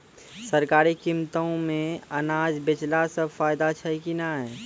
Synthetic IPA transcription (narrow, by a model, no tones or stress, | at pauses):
sɐɾkaːɾikimt̪õmẽɐnaːd͡ʒbɪt͡ʃlasɐbfaːjd̪at͡ʃʰɐikinaɦɛː